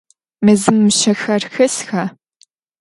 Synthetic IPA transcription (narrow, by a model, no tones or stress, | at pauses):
mɨzɨmːʃɐxɐrxɐsxa